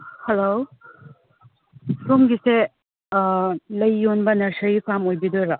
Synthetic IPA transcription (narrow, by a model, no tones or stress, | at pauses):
helo | sɾumɡise | lɐjːonbɐnɐɾsɐjikamojbidoɾa